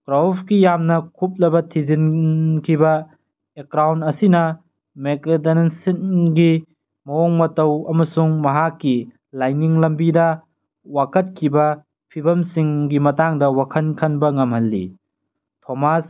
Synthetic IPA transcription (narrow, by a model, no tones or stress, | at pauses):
kɾawpkijamnɐkʰup̚lɐbɐtʰizinkʰibɐ | ekɾawntɐsinɐ | mekletennsinɡi | mɐoŋmɐtɐwɐmɐsuŋmɐɦakːi | lajniŋlɐmbidɐ | wakɐt̚kʰibɐ | pʰibʱɐmsiŋɡimɐtaŋdɐwakʰɐnkʰɐnbɐŋɐmhɐlːḭ | tʰomas